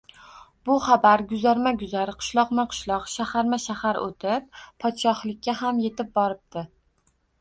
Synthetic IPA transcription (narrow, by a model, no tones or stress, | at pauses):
bʊχabaɾɡʊzaɾmaɡʲʊzaɾɪqʰɨ̥ʃlˠɒqmaqʰɨ̥ʃlˠɒqʃahaɾmaʃahaɾo̰t̪ʰɪp̚ːʰɒt̪ʃɒhlˠɪk̚ʲːaɦamje̞t̪ɪp̚bɒɾɪp̚d̪ɪ